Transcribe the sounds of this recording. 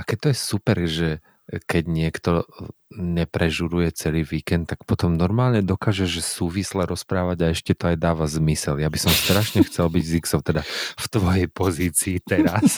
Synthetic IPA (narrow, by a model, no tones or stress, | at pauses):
akɛc̚t̪ɔjɛsupɛɾʒɛ | kɛɟɲɪɛkt̪ɔ | ɲɛpɾɛʒuɾujɛt͡sɛliːʋiːkɛnt̪t̪ːakpɔt̪ɔmnɔɾmaːlɲɛd̪ɔkaːʒɛʒɛsuːʋislɛɾɔspɾaːʋaɟaɛʃcɛt̪ɔajd̪aːʋazmisɛljabisɔmst̪ɾaʃɲɛxt͡sɛlbiɟziksɔʊt̪ɛd̪aft̪ʋɔjɛjpɔziːt͡siːt̪ɛɾas